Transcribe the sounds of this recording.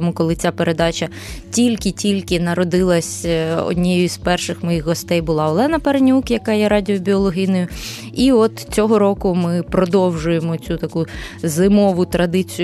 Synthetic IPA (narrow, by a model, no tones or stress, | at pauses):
mukɔlˠɪt͡sʲapeɾʔe̞d̪ɑt͡ʃɐ | tʲilʲkɪtʲilʲkɪnɐɾɔd̪ɪlˠɐsʲɔ̰dʲnʲijʊispɛrʃɪxmɔjixɦɔst̪ɛjbʊlˠɑɔlˠɛnɐpernʲukjɐkɑjɛɾɑdʲiɔbʲiɔlˠɔɦijnɔjʊ | iɔt̪t͡sʲɔɦɔɾɔkʊmɪpɾɔd̪ɔwʒʊjemɔt͡sʲut̪ɐkuzɪmɔʋʊt̪ɾɐd̪ɪt͡sʲij